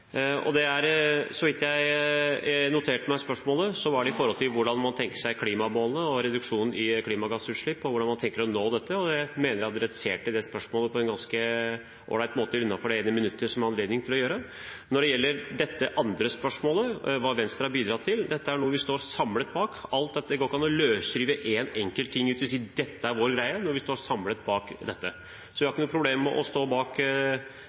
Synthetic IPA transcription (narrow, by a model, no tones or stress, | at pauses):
ɔ̰d̪ɛæɾsɔʋɪt̪ːjæɪ | nʊt̪ʰeːʈmæɪspœʂmoːləsɔʋɑɖɛɪfɔɾhɔlt̪ʰɪlʋʊɖɑnmɑnt̪ʰɛŋkə̥ʂæɪkʰliːmɑmoːlənəɔɾɛd̪ʉkʂuːnn̩ɪkʰliːmɑɡɑsʉːt̪ʂɭɪpːɔʋʊɖɑnmɑnt̪ʰɛŋkəɾɔnoːd̪ɛt̪ːəɔd̪ɛmeːnəɾæhɑt̪ɾɛseːʈɪld̪ɛspœʂmoːləpʰɔɛnɡɑnskə | ʔo̰ːɭæɪt̪moːt̪əʉnːɑfɔɖɛeːnəmɪnʉt̪ːəɾʂɔmæɾɑnleːd̪nɪŋt̪ʰɪlɔjøːɾə | nɔɖɛjɛlːəɾɖɛt̪ːəʔɑnd̪ɾəspœʂmoːləʋɑːʋɛnst̪ɾəhɑɾbiːd̪ɾɑt̪ʰɪld̪ɛt̪ːəæɳuːəʋɪst̪oːɾsɑmlət̪̚bɑːkɑlt̪̚d̪ɛt̪ːəd̪ɛɡoːɾɪkɑnɔløːsɾiːʋəʔeːnɛŋkəlt̪ʰːɪŋːʉːt̪ɪs̬iːd̪ɛt̪ːəæɾʋoːɾɡɾæɪənɔɾʋɪst̪oːɾsɑmlət̪̚bɑːkd̪ɛt̪ʰːə | sɔʋɪhɑɾɪkːənuːəpʰɾʊbleːmːɛ̰ʔɔ̰st̪oːbɑːk